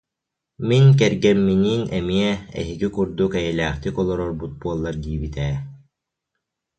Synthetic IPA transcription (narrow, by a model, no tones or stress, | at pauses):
mink̬ɛɾɡɛmːiniːnɛmiɛɛ̰ɦiɡikuɾd̪ukɛjɛlæːχt̪ikɔlˠɔɾɔɾbut̪̚buɔlˠːaɾd̪iːbit̪ɛː